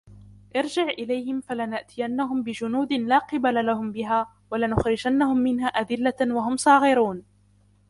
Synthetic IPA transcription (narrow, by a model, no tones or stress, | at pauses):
ʔɪɾd͡ʒɪʕʔɪlajhɪmfalanaʔt̪ʰɪjanːaɦʊmbɪd͡ʒʊnuːd̪ɪlaːqɨbalalahʊmbɪɦaː | walanʊxɾɪd͡ʒanːahʊmːɪnɦaːʔad̪ɪlːawaɦʊmsˤɑːɣɪɾuːn